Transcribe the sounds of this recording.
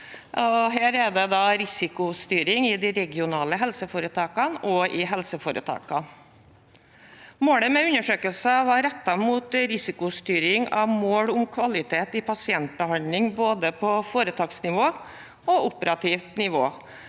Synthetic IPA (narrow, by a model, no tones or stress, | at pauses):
ɔɦæːɾɛd̪ɛd̪ɑɾɪsɪkʊst̪yːɾɪŋɪd̪ɪɾɛɡɪʊnɑːləɦɛlsəfoːɾət̪ʰɑːkɑnɔʔɪɦɛlsəfoːɾə̰t̪ʰɑ̰ːkɑn | moːɽəmɛʉnːəʂøːkəlsɑʋɑɾɛt̪ːɑmuːt̪ɾɪsɪkʊst̪yːɾɪŋɑʋmoːɽʊmkʰʋɑlɪt̪ʰeːt̪ɪpʰɑsɪɛnt̪̚bəhɑnd̪lɪŋboːd̪əpʰɔfoːɾət̪ʰɑːksnɪʋoː | ɔʊpəɾɑt̪ʰiːft̪nɪʋoː